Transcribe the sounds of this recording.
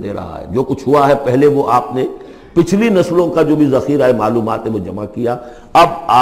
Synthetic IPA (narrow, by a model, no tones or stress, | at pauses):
eɾɐ̰ɦa̰ɦɛ̰d͡ʒoːkʊt͡ʃʰɦʊaɦɛpɛɦleʋoʔaːpne | pɪt͡ʃʰlinɐslõkad͡ʒoːbʱizɐxiːɾaːemaːluːmaːt̪ɦɛʋod͡ʒɐmakija | ɐbaː